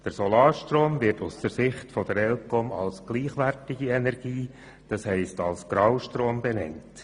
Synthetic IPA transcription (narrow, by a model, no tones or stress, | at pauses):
d̥əɾsɔlɑːɾʃtɾoːmvɪɾtʊsd̥əɾsɪχtfɔd̥̪əɾɛlkɔmɑ̰lsɡ̥liːχʋæɾtɪɡiɛnɛɾɡiː | d̥ɑshɛɪstɑlsɡ̥ɾɑwʃtɾoːmbɛnɛ̰nt